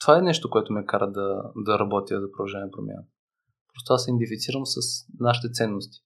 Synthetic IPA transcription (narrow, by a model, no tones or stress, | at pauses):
t̪o̥vaɛnɛʃt̪okoɛt̪omɛkaɾəd̪ɐd̪ɐɾɐbɔt̪ʲjəzɐpɾoɐʒɛnʲɛnpɾomʲja̰nə | pɾɔst̪oasɛnd̪ifit̪siɾəmsɐsnaʃit̪ɛt̪sɛnːost̪i̥